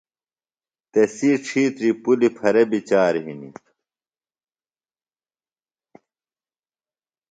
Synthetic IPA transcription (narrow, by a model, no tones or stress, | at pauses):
t̪esiːʈ͡ʂʰiːt̪ɾipulipʰɐɾebit͡ɕaːɾɦinḭ